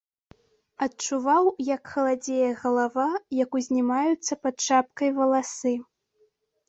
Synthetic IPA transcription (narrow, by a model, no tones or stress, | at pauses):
ɐtt͡ʂuvawjɐkxɐlˠad͡zʲejɛɣɐlˠavajɐkuzʲnʲimajut̪sːɐpɐt̪̚ʂap̚kɐjvɐlˠasɨ